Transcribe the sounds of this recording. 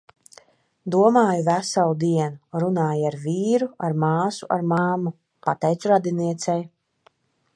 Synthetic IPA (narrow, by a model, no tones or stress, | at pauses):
d̪uɔmaːjuvæsalˠud̪iɛnuɾunaːjaɾviːɾuaɾmaːsuʔa̰ɾmaːmːu | pat̪ɛjt̪suɾad̪ʲiniɛt̪sɛj